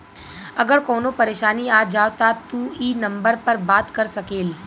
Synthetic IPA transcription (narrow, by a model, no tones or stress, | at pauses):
əɡəɽkoːnopəɾeːʃaniad͡ʒaʋt̪at̪uinəmbəɾpəɾbat̪kəɾsəkeːl